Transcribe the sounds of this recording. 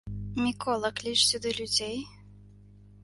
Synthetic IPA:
mʲikɔlˠɐklʲiʂsʲud̪ɨlʲud͡zʲej

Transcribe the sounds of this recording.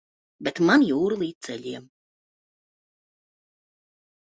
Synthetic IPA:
bɛt̪manjuːɾulˠiːt̪̚t̪sɛʎʲiɛm

